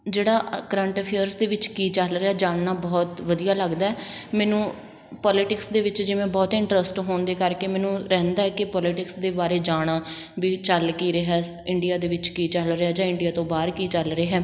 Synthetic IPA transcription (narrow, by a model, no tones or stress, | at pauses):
d͡ʒeːɽaːkɾə̃ːɳʈːpʰeəɾsd̪eːʋɪt͡ʃkiːt͡ʃəlɾeaːd͡ʒaːɳnaːbɔːt̪ʋəd̪ijaːləɡd̪aːɛːmɛːnũː | pɔːlɪʈɪksd̪eːʋɪt͡ʃd͡ʒɪʋẽːbɔːt̪ɪ̃ɳʈɾəsʈɦoːɳd̪eːkəɾkeːmɛ̃ːnũːɾɛ̃ːnd̪aːɛːkɪpɔːlɪʈɪksd̪eːbaːɾeːd͡ʒaːɽ̃aː | ʋiːt͡ʃəlkiːɾəɦɛː | ɪɳɖijaːd̪eːʋɪt͡ʃkiːt͡ʃəlɾeaːd͡ʒãːɪ̃ɳɖijaːt̪õːbaːɾkiːt͡ʃəlɾəeːɦɛː